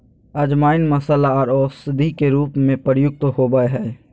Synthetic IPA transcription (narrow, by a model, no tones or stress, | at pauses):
ɐd͡ʒmaːɪnmɐsəlaɔːɾɔːsɪd̪ʱikeɾuːpmẽpəɾjʊk̚t̪ɦoːbəeɦɛː